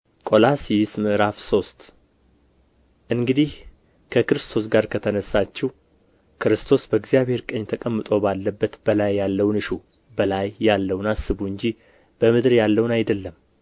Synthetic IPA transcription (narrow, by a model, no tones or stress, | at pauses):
kʼo̞lasismɨʔɨɾafso̞st̪ | ʔɨŋɡɨd̪ih | kʰəkɨɾɨst̪ʰo̞s̬ɡaɾkʰət̪ʰənəsːat͡ʃːɛw | kʰɨɾɨst̪ʰo̞sbəɡzjaβhe̞ɾkʼəɲːt̪ʰəkʼəmːɨt̪ʼo̞balːəbːət̪bəlajːalːəwnɨʃu | bəlajːalːəwnasːɨβuɨɲd͡ʒi | b̥əmɨd̪ɾjalːəwunajd̪əlːəm